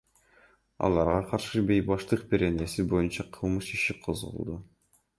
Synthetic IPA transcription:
ɑ̰lˠɑɾʁɑqʰɑɾʃɯbe̞jbɑʃt̪ɯq̚be̞ɾe̞ne̞sibo̞junt͡ʃɑqʰɯlˠmɯʃiʃiqʰozʁṵlˠd̪u

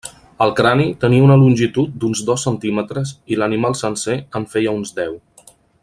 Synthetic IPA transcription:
əlˠkɾanit̪əniəunəlunʲʒit̪ut̪̚d̪unzdðɔsːənt̪imət̪ɾəzilənimalˠsənseəɱfɛjəunzd̪ɛw

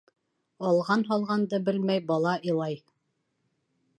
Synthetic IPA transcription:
ɑlˠʁɑnɦɒlˠʁɑnd̪ɤbɘlmæjbɑlˠɑʔilˠɑj

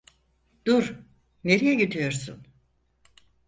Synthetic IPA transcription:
d̪̥uɾ | ne̞ɾijɛɟid̪ijo̞ɾsṵn

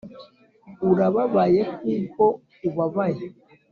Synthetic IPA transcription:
uɾaβaβajekupɔ | uβaβaje

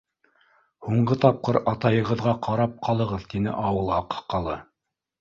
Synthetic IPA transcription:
huɴɢɤt̪ɑp̚qɤɾɑt̪ɑjɤ̆ʁɤ̆ðʁɑqʰɑɾɑp̚qʰɑlˠɤ̆ʁɤðt̪inɘ̰ʔɑwɤlˠɑqɤ̥qɑlˠɤ

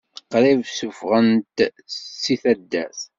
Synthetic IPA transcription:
qɾivsufʁənt̪sːiθæd̪ːæ̰θ

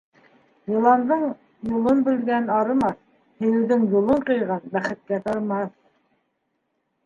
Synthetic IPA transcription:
jɤ̆lˠɑnd̪ɤɴ | julˠɤnbɘ̆lɡænɑɾɤ̆mɑθ | hɘ̆jɘ̆wðɘŋjulˠɤɴqɤ̆jʁɑnbæχɘ̆t̪̚kæt̪ɑɾmɑθ

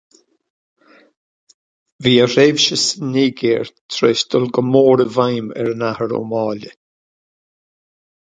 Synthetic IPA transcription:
viːəɾeːvʃəsəniːɡeːɹt̪ʰɾeːsd̪ɔlɡəmoːɾəvajmɛ̰ɹnahəɾo̰mɑːlə

